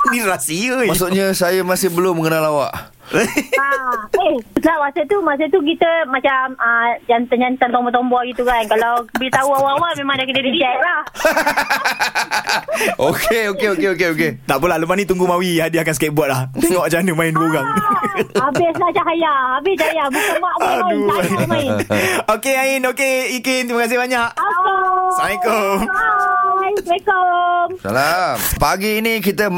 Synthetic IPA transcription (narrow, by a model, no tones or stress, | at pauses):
niɾasiəmasuʔɲəsajamasɪhbəloməŋənalawa̰ʔ | aehlamasət̪umas̬ət̪uk̬it̪əmat͡ʃaməd͡ʒant̪əɲant̪ənt̪ɔmbɔt̪̬ɔmbɔɡit̪ukankalawbit̪auawawamemãŋdakədədit͡ʃaʔlah | okʰeokeokeokeoket̪aʔpulahləpanĩt̪uŋɡumawiadiakansəkaiʔ̚buaʔ̪̚laht̪ɛŋɔʔt͡ʃaanəmãinduəoɣaŋ | abɪslahd͡ʒaɦajaabɪd͡ʒaajabukamaʔauamaɪnokeainokeikɪnt̪imakas̬ɪɦbaɲaʔakosamako | asekɔmsa̰lapaɡiːnikit̪ə